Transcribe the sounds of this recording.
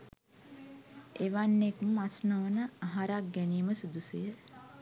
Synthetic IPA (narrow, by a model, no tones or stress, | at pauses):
eʋanːekməmasnoʋənəaɦaɾak̚ɡɛniːməsud̪usejə